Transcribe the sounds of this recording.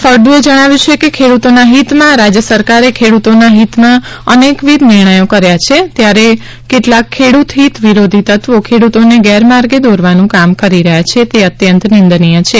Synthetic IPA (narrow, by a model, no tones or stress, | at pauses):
fəɾd̪ũed͡ʒəɽ̃aʋjũt͡ʃʰekekʰeɽut̪onaɦit̪mãɾad͡ʒjəsəɾkaɾekʰeɽut̪onaɦit̪mãənekʋid̪nɪɾɳ̃əjokəɾjat͡ʃʰet̪jaɾe | keʈlakʰːeɽut̪ɦit̪ʋiɾod̪ʱit̪ət̪ʋokʰeɽut̪oneɡɛɾmaɾɡed̪oɾʋanũkamkəɾiɾəɦjat͡ʃʰet̪eət̪jənt̪nɪnd̪nijət͡ʃʰe